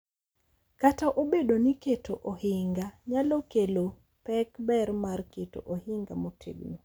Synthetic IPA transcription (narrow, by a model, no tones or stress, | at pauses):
kataʔobedoniketʰoʔohɪŋɡaɲalokelo | pɛkbɛrmarketo̰ʔohɪŋɡamotʰḛɡno